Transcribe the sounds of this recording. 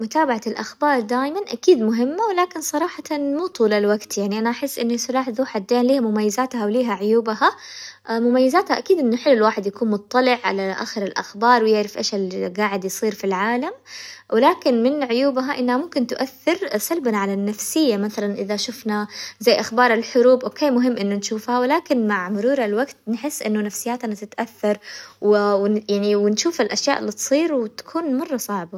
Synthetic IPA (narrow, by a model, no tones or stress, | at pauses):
mʊt̪aːbaʕalʔaxbɑːɾˤd̪aːjmanʔakiːd̪mʊɦɪmːawɪlaːkɪnsˤɑɾˤɑːħɑt̪muːt̪ˤuːlalwaɡt̪jaʕniʔanaʔaħɪsːʔɪnːasʊɾˤɑːħðˤuːħad̪ːeːnliːhamʊmajːazaːt̪hawliːɦaʕʊjuːbha | mʊmajːazaːt̪haʔakiːd̪ʔɪnːʊħɪlːʊlwaːħɪd̪jakuːnmʊt̪ˤːɑlɪʕʕa̰laʔa̰ːxɪɾɪlʔa̰xbɑːɾˤwɪjɪʕɾɪfʔḛːʃalɡaːʕɪd̪jsˤiːɾfilʕaːlamwɪlaːkɪnmɪnʕʊjuːbɦaʔɪnːhamʊmkɪnt̪ʊʔaθːɪɾsalbnaʕalanːafsɪjːamaθalanʔɪðaʃʊfnazajːʔaxbɑːɾˤɪlħʊɾuːbʔokeːmʊɦɪmːʔɪnːʊnʃuːfhawɪlaːkɪnmaʕmʊɾuːɾˤalwaɡt̪nħɪsːʔɪnːʊnafsɪjːaːt̪nat̪ɪt̪ʔaθːɑɾˤwwjaʕniwɪnʃuːfalʔaʃjaːʔɪlːit̪sˤiːɾwɪt̪ḁkʰuːnmɑrˤːɑsˤɑʕba